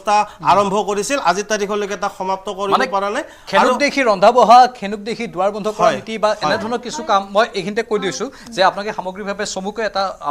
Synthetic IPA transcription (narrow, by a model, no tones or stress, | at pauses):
staa̰ɹɔmbʱɔkoɹisilazitaɹikʰɔlojkɛtaxɔmap̚tɔkoɹimanɛpaɹanaj | kʰeukdexʰiɹɔndʱabɔɦakʰenuk̚dekʰidʊwaɹbɔndʱɔkɔɹajitibaʔɛnɛdʱɔɹnɔkisukamːɔjʔejkʰinitɛkojdiwsʊ̃ | zɛapʊnakɛxamoɡɹibʱabɛsomukɔɛta̰